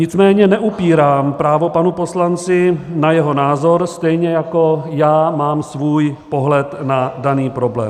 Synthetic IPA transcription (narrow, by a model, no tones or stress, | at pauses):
ɲɪt͡smɛːɲɛnɛʔupiːɾaːmpɾaːvo̞panupo̞slant͡sɪnajɛɦo̞naːzoɾst̪ɛjɲɛjako̞jaːmaːmsvuːjpo̞ɦlɛt̪nadaniːpɾo̞blɛ̰ːm